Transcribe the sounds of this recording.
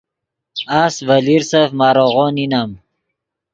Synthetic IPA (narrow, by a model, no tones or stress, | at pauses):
asvaliɾsafmaːɾoʁoninam